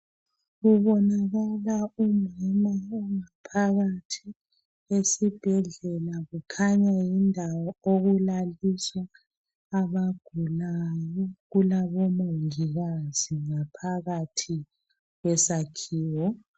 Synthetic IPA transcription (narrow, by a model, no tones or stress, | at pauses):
ɣuβɔnaɣalaumɛmaɔŋapʰaɣatʰi | esib̥ʱɛɮɛlaɣukʰaɲajindʱawɔoɣulaliswaː | βaɡ̥ʱulajɔɣulaβɔmoŋiɣaz̥iŋapʰaɣatʰi | ɣwɛsakʰiːwɔ